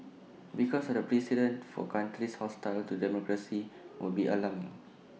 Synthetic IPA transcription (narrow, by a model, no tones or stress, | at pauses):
bikɔsdəpɹɛsidə̃ntfɔ̰kãntɹishɔstaɪltudɛmɔkɹasiwulbiʔəlamɪ̃ŋ